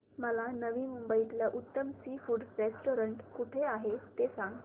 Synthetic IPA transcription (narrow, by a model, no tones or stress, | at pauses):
məlanəʋiːmumbəit̪laʔut̪ːəmsifuːɖɾesʈoɾəɳʈkuʈʰeaɦet̪esãŋɡ